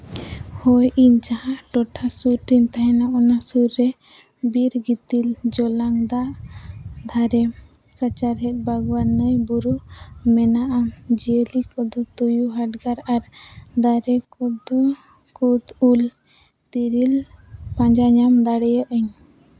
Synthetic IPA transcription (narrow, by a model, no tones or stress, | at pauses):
hɔjʔiɲt͡ʃahãʈɔʈʰasuɾʈ̪iɲt̪aɦɛnaʔɔnasuɾːɛ | biɾɡit̪ild͡ʒɔlaŋd̪aʔ | d̪ʱaɾɛ | sət͡ʃaɾɦɛt̪̚ˀbaɡwanəjbuɾumɛnaʔamd͡ʒiəlikɔd̪ɔt̪ujuɦaʈɡaɾaɾd̪aɾɛkɔd̪ɔ | kud̪ul | t̪iɾilpãɲd͡ʒaɲamd̪aɽɛjəʔəɲ